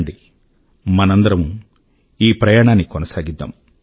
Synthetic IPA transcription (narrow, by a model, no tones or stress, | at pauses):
ɳɖi | mɐnɐnd̪ɐɾɐmu | iːpɾɐjaːɳaːnːikɔnɐsaːɡid̪ːa̰ːm